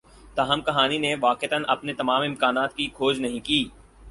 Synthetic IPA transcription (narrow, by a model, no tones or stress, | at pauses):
t̪aːɦəmkɐɦaːnineʋaːqet̪ənʔɐ̰pnet̪ɐmaːmɪ̃mkaːnaːt̪kikʰoːd͡ʒnɐɦĩkiː